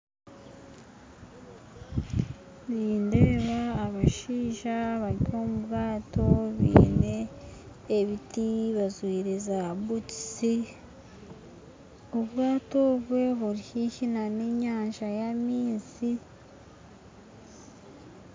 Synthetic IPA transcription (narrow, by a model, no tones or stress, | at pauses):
niːndeːβaːβaʃiːʒaβaɾiomubɡaːto̞βḭːne̞ː | βitiβazwiːɾezaβukisi | uβɡaːtoβwe̞βuɾihiçinaniɲaːnʒajamiːzi